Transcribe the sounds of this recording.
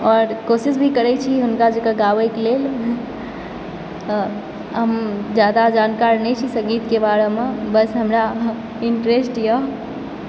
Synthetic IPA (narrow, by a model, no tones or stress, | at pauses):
ɔɾkosisbʱikəɾɛt͡ʃʰiɦunkad͡ʒekəɡaʋəjkelel | ɦəmd͡ʒjad̪ad͡ʒankaɾnɛt͡ʃʰisə̃ŋɡit̪kebaɾemebəsɦəmɾa | iɳʈɾesʈjəɦ